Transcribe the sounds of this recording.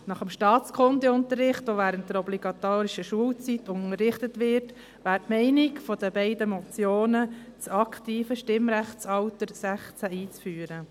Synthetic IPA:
nɑχəmʃtɑːt͡skʰχʊndiʊnt̪ərːɪχtoʋæːɾənt̚d̥̪əɾɔbliɡɑt̪oːɾiʃəʃuəlt͡sitʊnərːɪχtətʋɪɾt | ʋæːɾtmɛɪnikfɔd̥əbɛɪdəmɔt͡sjoːnət͡sɑkχtiːfəʃtɪmɾæχt͡sɑwtəɾsæχt͡sæiːt͡sfyːəɾə

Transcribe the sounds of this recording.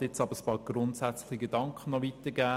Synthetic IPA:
tɪt͡sɑbəɾəspɑːɾɡ̥ɾʊntsæt͡sləχiɡedɑŋkχənːɔʋit̪əɡæː

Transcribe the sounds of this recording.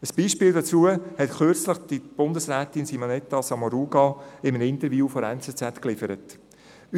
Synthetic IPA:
əsb̥iːʃpiːldɑt͡suəhɛtχøɾt͡sləχd̥ib̥ʊndəsɾæːtɪnsimonɛt̪ːɑsɑmɔɾuːɡɑɪmənɪntəɾvjuːfoɾɛnt͡sɛt͡sɛtklɪfəɾət

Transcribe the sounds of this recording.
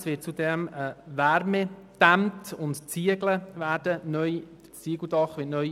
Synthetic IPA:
sʋɪːt̚t͡sud̪ɛməvæɾmɛd̪̥æmt̪ʊntt͡siəɡləvæːɾdənœj | t͡siəɡl̩dɑχʋɪːtnœj

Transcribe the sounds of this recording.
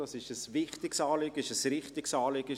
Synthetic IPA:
ɑsɪʃəsvɪχtɪksɑːlɪɡəɪʃəsɾɪχtɪksɑːlɪɡ̥ə

